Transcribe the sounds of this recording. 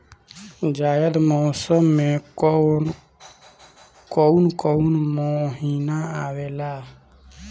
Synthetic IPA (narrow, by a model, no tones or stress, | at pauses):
d͡ʒaːjəd̪moːsəmːẽ | kounkounmoɦinaaːweːlaː